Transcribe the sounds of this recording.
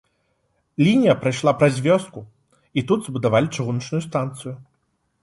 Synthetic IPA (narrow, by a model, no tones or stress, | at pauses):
lʲinʲijɐpɾajʂlˠapɾazʲvʲɔst̪̚ku | it̪ud̪zbud̪avalʲit͡ʂaɣunɐt͡ʂnʊjust̪ant̪sɨjʊ